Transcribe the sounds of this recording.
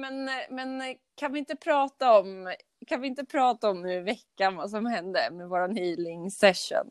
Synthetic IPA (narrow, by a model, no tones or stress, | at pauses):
mɛnmɛn | kʰanvɪɪnt̪əpʰɾɑːt̪aɔm | kʰanvɪɪnt̪əpʰɾɑːt̪aɔmnʉɾɪvɛkːanvas̬ɔmhɛnd̪ə̰mɛvoːɾanhyːlɪŋsɛʂʊ̰n